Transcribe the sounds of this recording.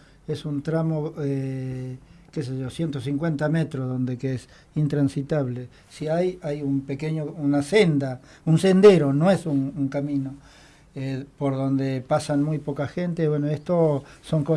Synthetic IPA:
esunt̪ɾamo̞e | kes̬eʒosje̞nt̪osiŋkwe̞nt̪ame̞t̪ɾozðo̞nd̪ekees | int̪ɾansit̪aβle | siajajumpekeɲounasend̪a | unse̞nd̪e̞ɾo̞noesunuŋkamĩno | epoɾðo̞nd̪epasanmujpo̞kaxent̪eβwenoest̪oso̞ŋko

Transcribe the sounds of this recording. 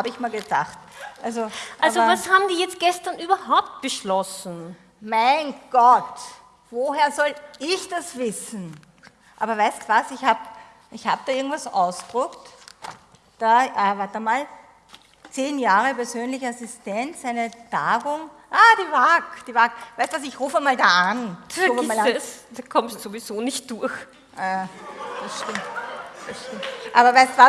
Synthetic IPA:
haːbəɪçmaːlɡəd̥a̰χtʔalzoʔʔalːzobɐvashaːbm̩diːjɛt͡st̚ɡ̥ɛstɐnyːbɐɦaʊp̚t̚b̥əʃlɔsn̩ | maɪnɡ̥ɔt | voɦeːɐzɔlɪçd̥asv̥ɪsn̩ | ʔa̰ːbɐvæɪstuvasɪçhaːb | ʔɪçha̰ːbəd̥aːʔɪɐɡŋ̩tv̥asʔa̰ʊsd̥ʁʊkt | d̥aːʔavaːɐt̚damaːl | t͡seːnjaːʁəpɛɐzøːnlɪçəasɪstɛnt͡sæɪnətaːɡʊŋ | ʔaːd̥iːvaːkd̥iːvaːkvæɪtuvasɪçʁuːfəmaːldaːanuːfəmaːlsdakʰɔmtz̥ovizoːnɪçt̚d̥ʊɐç | jad̥ɐsʃtɪmtd̥ɐʃtɪmtʔaːbɐvæɪstuva

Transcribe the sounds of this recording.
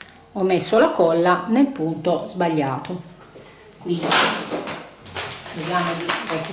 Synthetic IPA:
ɔmːesːolakɔlːanelpunt̪ozbaʎːaːt̪o | kwind̪i | ɾɔɡaːmod̪iɛt̪ː

